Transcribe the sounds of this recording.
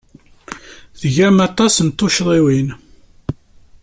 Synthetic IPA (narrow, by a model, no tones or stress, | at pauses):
ðəʝæmɑt̪ˤɑsənt̪ːoʃðˤiwin